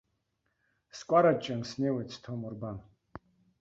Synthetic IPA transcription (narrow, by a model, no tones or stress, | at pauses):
skʷʼaɾat͡ʃʼɐnsnewejt͡sʰtʰomurban